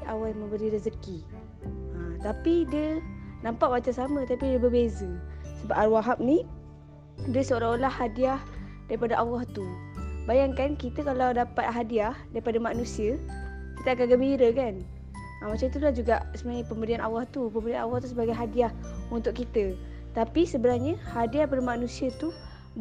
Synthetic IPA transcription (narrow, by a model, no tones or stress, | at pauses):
awajmə̃mbəɾiɾəzəki | at̪apidiənampaʔwat͡ʃasamə̃t̪apidəbəbezəsəbapaɾwaɦap̚ni | dəsəolaolahːadiah | daɾipadaʔawaht̪ubajaŋkankit̪əkalawdapat̪̚ɦadiahdaɾipadamaʔnũsiə | kit̪əakanɡəmbiɾəkan | amat͡ʃamit̪ulahd͡ʒuɡaʔsəmənapəmbədianʔa̰waht̪upəmbədianawaht̪usəbaɡajɦadiahunt̪ʊʔkit̪ə | t̪apisəbənarɲəhadiaipadamanũsiət̪u